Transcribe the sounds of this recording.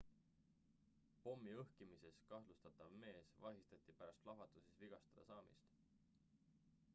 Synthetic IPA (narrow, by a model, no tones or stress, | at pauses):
po̞mːiɤhkimise̞skɑhlust̪ɑt̪ˑɑvme̞ːsvɑɦist̪ɑt̪ːˑipæɾɑst̪lɑvɑt̪ˑusisviɡ̥ɑst̪ɑd̪̥ɑ̰sɑːmḭst̪